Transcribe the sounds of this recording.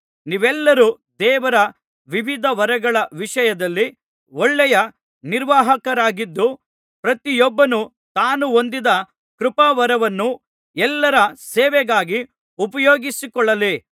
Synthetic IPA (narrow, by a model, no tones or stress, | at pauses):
niːʋɛlːɐɾuː | d̪ɛːʋɐɾɐ | ʋiʋid̪ʱɐʋɐɾɐɡɐɭɐʋiʂɐjɐd̪ɐlːi | ɔɭːɛjɐ | niɾʋaːɦɐkɐɾaːɡid̪ːu | pɾɐt̪ijɔbːɐnu | t̪aːnuond̪id̪ɐ | kɾupɐʋɐɾɐʋɐnːu | ɛlːɐɾɐsɛːʋɛɡaːɡi | upɐjoːɡisikɔɭːɐli